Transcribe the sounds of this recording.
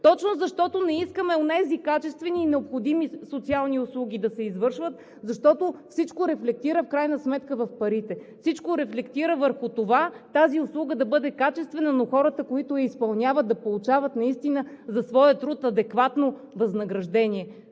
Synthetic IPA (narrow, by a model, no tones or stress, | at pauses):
t̪ɔt͡ʃnozɐʃt̪ɔt̪onɛiskəmɛonɛzikat͡ʃɛst̪vɛniːnɛopxod̪imisot̪sialˠniʊslˠuɡ̟ʲid̪ɐsɛizvɤɾʃvət̪ | zɐʃt̪ɔt̪ofsit͡ʃkoɾɛflɛk̚t̪iɾəfkɾajnəsmɛt̪kəvɐfpɐɾit̪ɛfsit͡ʃkoɾɛflɛkt̪iɾəvəɾxʊt̪ovat̪aziʊslˠuɡəd̪ɐbɤd̪ɛkat͡ʃɛst̪vɛnənoxɔɾət̪əkoit̪ʊɛispɐlˠnʲavət̪̚d̪ɐpolˠut͡ʃavət̪nɐist̪inəzɐsvɔjət̪ɾut̪ɐd̪ɛkvat̪no | vɐznɐɡɾɐʒd̪ɛniɛ